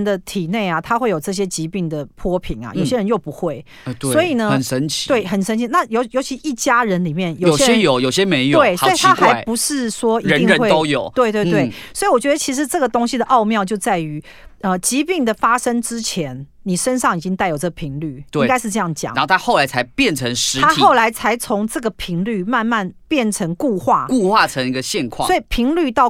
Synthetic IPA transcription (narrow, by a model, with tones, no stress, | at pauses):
nd̪ə˨˧t̪ʰi˨˩ne˥˩ɪa˩t̪ʰa˥xwe˥˩ɪjo˨˩ʊʈ͡ʂɤ˥˩ɕ̬jɛ˦˥t͡ɕi˧˥pi˥˩ŋd̪ə˩pʰwɔ˥pʰi˨˩ŋa̰˩jo˨ʊɕjɛ˦˥ɻə˧˦njo˥˩ʊpu˧˦xwe˥˩ɪ | t̪swɔ˧˥i˨˩nə˦ə˨˩nʂə˦nt͡ɕʰi̥˨we˥˩ɪxə˨˩nʂə˥nt͡ɕʰi˨˩na˥˩jo˧ʊjo˧˥ʊt͡ɕʰi˧ʂi˥˩t͡ɕja˥ɻə˧˦˥nli˨˩mjɛ˥˩njo˨ʊ˨jɛ˥ɕɛ˥jo˨˩ʊjo˨˩ʊɕjɛ˦me˧˦ɪjo˧˨we˥˩ɪsɔ˦˥i˨t̪ʰa˥xa˧˥ɪpu˧˦ʂɻ̩˥˩swɔ˥i˧ɻə˧˦ni˧ŋə˧˦xwe˥o˦ʊjo˨˩˦ʊtt̪we˥˧ɪt̪we˥˧t̪we˥˩ɪswɔ˧˥i˨˩wɔ˨˩t͡ɕɥɛ˧˥d̪ə˧˩t͡ɕʰi˧˥ʂ̬ɻ̩˧˩˦ʈ͡ʂɤ˥˩ɡə˩t̪o˥ŋɕi˨d̪ə˨ʔɑ˥˧ʊmjɑ˥˧ʊt͡ɕjo˥˧ʊt͡sa˥˩ɪy˧˥ | ə˧t͡ɕi˧˥pi˥˩ŋd̪ə˨fa˥ʂə˥ŋʈ͡ʂɻ̩˦t͡ɕʰjɛ˧˥n | ni˨˩ʂə˦nʂɑ˥˩ŋi˨˩t͡ɕi˦ŋt̪a˥˩ɪjo˨˩ʊt͡sə˥˩ɡə˩pʰi˧˥ŋly˥˩iwka˥ɪʂ̩˥˧ʈ͡ʂɤ˥˧jɑ˥˩ŋt͡ɕjɑ̰˨˩ŋa˧˦˥o˥˩t̪ʰa˥xo˥˩la˧˥ɪt͡sʰa˧˦ɪpjɛ˥˨nʈ͡ʂʰə˧˥ŋʂɻ̩˧˥t̪ʰa˥xo˥˩ʊla˧˥ɪt͡sʰa˧˥ɪt͡sʰo˧˥ŋʈ͡ʂɤ˥˩ɡə˩pʰi˧˥ŋly˥˩ma˥˧nma˥˨npjɛ˥˩nʈ͡ʂʰə˧˥ŋku˥˧xwa˥˩ku˥˧xwa˥˩ə˧˦ŋi˧˥ɡə˨ɕjɛ˥˧nkʰwɑsɔ˥i˨˩pʰi˧˥ŋly˥˧t̪ɑ˥˩ʊ